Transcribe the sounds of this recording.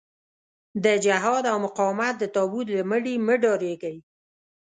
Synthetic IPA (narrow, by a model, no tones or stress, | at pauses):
d̪əd͡ʒaɦɑd̪awmʊqɑwmat̪̚d̪ət̪ɑbut̪laməɽiməɖɑɾeɡai